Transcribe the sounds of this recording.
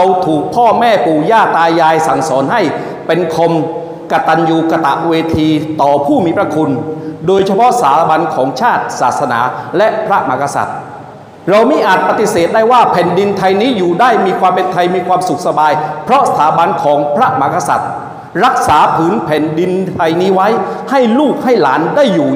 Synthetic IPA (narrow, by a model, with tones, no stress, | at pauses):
ɾa˧wt̪ʰuː˨˩k̚pʰɔː˥˩mɛː˥˩puː˨˩jaː˥˩t̪aː˧jːaː˧jsa˨˩ŋsɔː˩˦nɦa˥˩j | pe˧nkʰo˧m | ka˧t̪a˧njuː˧ka˧t̪a̰˨˩ʔweː˧t̪ʰiː˧t̪ɔː˨˩pʰuː˥˩miː˧˩pɾa˧˥kʰu˧ndoː˧jt͡ɕʰa˧pʰɔ˦˥ʔsaː˩˦ba˧nkʰɔː˩˦ŋt͡ɕʰaː˥˩t̪̚saː˨˩t̪̚sa˧na̰ː˩˦lɛ˦˥ʔpʰɾa˦˥ʔma̰˧˩ka˧sa̰˨˩t̪̚ | ɾa˧wmi˦˥ʔaː˨˩t̪̚pa˧t̪i˨˩seː˨˩t̪̚daː˥˩jwaː˥˩pʰɛː˨˩ndi˧nt̪ʰa˧jniː˦˥juː˨˩daː˥˩jmiː˧kʰwaː˧mpe˧nt̪ʰa˧jmiː˧kʰwaː˧msu˨˩k̚sa˧baː˧jpʰɾɔ˦˥ʔsa˧t̪ʰaː˩˦ba˧nkʰɔː˩˦ŋpʰɾa˦˥ʔma˧ka˧sa̰˨˩t̪̚ | ɾa˦˥k̚saː˩˦pʰɯː˩˦npʰɛ˨˩ndi˧nt̪ʰa˧jniː˦˥wa˦˥jha˥˩jluː˥˩k̚ha˥˩jlaː˩˦ndaː˥˩jːuː˨˩